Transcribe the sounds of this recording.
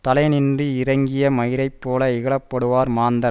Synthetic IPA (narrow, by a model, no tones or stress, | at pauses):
t̪ɐlɐɪnɪndriɪɾɐŋɡɪjɐmɐjɪɾɐɪpːoːlɐɪɣɐɭɐpːɐɽɯʋaːɾmaːnd̪ɐɾ